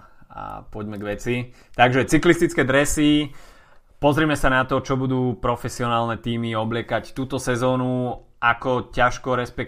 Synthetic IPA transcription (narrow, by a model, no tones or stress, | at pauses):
a̰pɔɟmɛɡʋɛt͡si | t̪aɡʒɛt͡siklist̪it͡skɛd̪ɾɛsi | pɔzɾimɛsanat̪ɔt͡ʃɔbud̪uːpɾɔfɛsiɔnaːlnɛt̪iːmiɔblɪɛkact̪uːt̪ɔsɛzɔːnu | akɔcaʃkɔɾɛspɛk